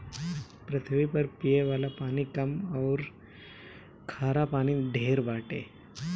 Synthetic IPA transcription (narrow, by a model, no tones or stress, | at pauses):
pɾət̪ʰəʋipəɾpijeʋaːlapaːñikɐmɔːɾ | kʰaːɾapaːñiɖʱeːɾbaːʈḛː